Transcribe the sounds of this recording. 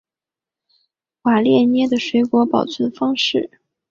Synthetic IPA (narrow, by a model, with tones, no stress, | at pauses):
xwa˨˩ljɛ˥˩njɛ˥d̪ə˨ʂwe˧˥ɪkwɔ˧˥pɑ˨˩ʊt͡sʰə˧˥nfɑ˥ŋʂɻ̩˥˩